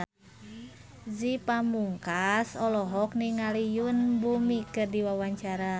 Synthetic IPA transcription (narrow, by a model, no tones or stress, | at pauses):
zipamuŋkasɔlɔɦɔk̚niŋalijunbumikɨrdiwawaɲt͡ʃaɾa